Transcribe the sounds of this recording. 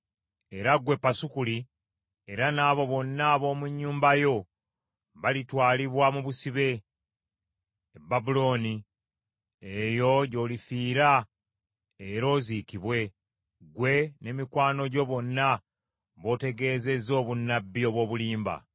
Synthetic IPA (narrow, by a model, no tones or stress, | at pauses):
e̞ɾaɡwe̞pːasukuli | e̞ɾanaːβo̞βo̞nːaβo̞ːmuɲːuːmbajo̞ | βalitwaːliβwamuβusiβe̞ | babulo̞ni | ejo̞ɟo̞ːlifiːɾa | eɾo̞ːzikiβwe̞ | ɡwe̞ne̞mikwaːno̞ɟo̞βo̞nːa | βo̞te̞ɡe̞ːze̞zo̞ːβunːabːio̞βwo̞ːβuliːmba̰